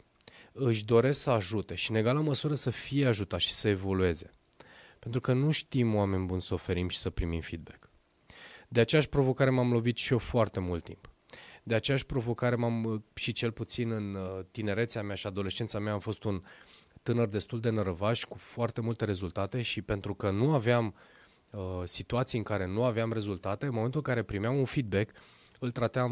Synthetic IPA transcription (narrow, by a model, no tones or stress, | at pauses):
ɨʃ̬ʲd̪o̞ɾe̞sksəaʒut̪e̞ʃine̞ɡalaməsuɾəsəfijeaʒut̪aʃi̥səe̞vo̞lue̞ze̞ | pe̞nt̪ɾukənuʃt̪imwame̞nʲbunsəo̞fe̞ɾimʃi̥səpɾimimfid̪̚bek | d̪e̞at͡ʃejaʃʲpɾo̞vo̞kaɾe̞mamlo̞vit̪ʃiofoart̪e̞mult̪ːḭmpd̪e̞at͡ʃe̞jaʃʲpɾo̞vo̞kaɾe̞mamʃit͡ʃe̞lput̪sinɨnt̪ine̞ɾe̞t̪seameaʃiad̪o̞le̞ʃt͡ʃe̞nt̪sameaːmfo̞st̪unt̪ɨnərd̪e̞st̪uld̪e̞nəɾəvaʃʲkufoart̪e̞mult̪e̞ɾe̞zult̪at̪e̞ʃipe̞nt̪ɾukənuaveam | əsit̪uat̪sijɨŋkaɾe̞nuaveamre̞zult̪at̪e̞ɨnmome̞nt̪ulɨŋkaɾe̞pɾimeamunfid̪̚be̞k | ɨlt̪ɾat̪eam